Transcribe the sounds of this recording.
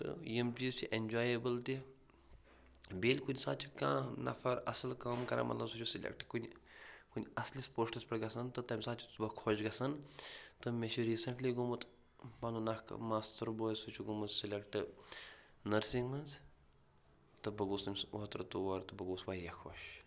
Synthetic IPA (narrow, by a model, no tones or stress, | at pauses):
t̪ɨ̰jimt͡ʃiːzt͡ʃʰiʔenʲd͡ʒaːjebəlt̪i | bʲeːlʲkunʲisaːt̪t͡ʃʰikã̰ːnɐ̰fɐɾɐslkaːmkɐɾa̰mʔɐ̰t̪lɐbsut͡ʃʰusilʲḛk̚ʈkunʲkunʲɐslispoːʂʈɐspɐɽɡɐsɐnt̪ɨt̪ɐmʲsaːt̪t͡ʃʰibɐkʰoʃɡɐsɐnt̪ɨmet͡ʃʰiɾiːsɐɳʈliɡumut̪ | panunɐhkmaːst̪əɾboːjsut͡ʃʰuɡumut̪silʲekʈɨ | nɐɾsiŋɡmɐnz | t̪ɨbɐɡuːsɐmʲsɐt̪ɾt̪uʋɐɾt̪ɨbɐɡuːsʋaːjɐkʰoʃ